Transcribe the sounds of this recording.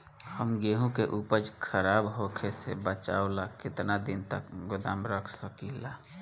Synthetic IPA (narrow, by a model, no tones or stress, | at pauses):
həmɡeːɦũkeʔuːpəd͡ʒkʰəɾaːbɦokʰesebət͡ʃa̰ːolakɪt̪nad̪ɪnt̪əkɡʊd̪aːmɾəkʰsəkila